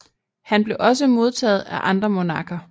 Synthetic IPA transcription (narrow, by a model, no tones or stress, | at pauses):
hænb̥le̝ʔɒ̽s̬əmo̝ð̞ˠt͡sʰɛ̰ːð̩ˠæʔɑ̈nd̥ʁɐmo̝nɑ̈ːkʰɐ